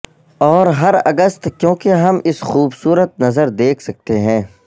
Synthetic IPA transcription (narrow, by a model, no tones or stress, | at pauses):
ɔːɾɦɐɾɐɡəst̪kjõːkeɦɐmɪsxuːbsuːɾət̪̚nɐzəɾd̪eːkʰsɐk̚t̪eɦɛ̃ː